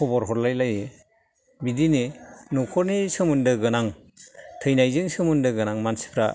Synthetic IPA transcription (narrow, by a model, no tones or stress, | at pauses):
ɔbɔɾɦɔɾlajlajɯ | bidinenukʰɔɾnisɯmɯndɯɡɯnaŋ | tʰɯjnajzɯŋsɯmɯndɯɡɯnaŋmansi̥pʰɾa̰